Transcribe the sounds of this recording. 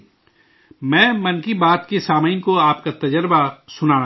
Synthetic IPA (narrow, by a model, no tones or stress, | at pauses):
mɛ̃ːmɐ̃nkibaːt̪kesaːmaɪnkoaːpkat̪ɐd͡ʒəɾbasʊnaː